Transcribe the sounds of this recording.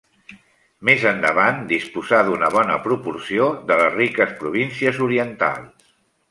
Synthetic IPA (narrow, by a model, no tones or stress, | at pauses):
mezənd̪ə̰βand̪ispuzaðunəβ̞ɔnə̰pɾupursioðələzrikəspɾuβ̞insiəzuɾiənt̪a̰lˠs